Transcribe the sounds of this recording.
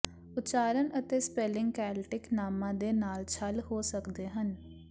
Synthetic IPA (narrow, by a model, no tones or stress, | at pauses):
ʊt͡ʃaːɾənət̪eːspeːlɪ̃ŋɡkɛːlʈɪknaːmãːd̪eːnaːlt͡ʃʰəlɦoːsəkd̪eːɦən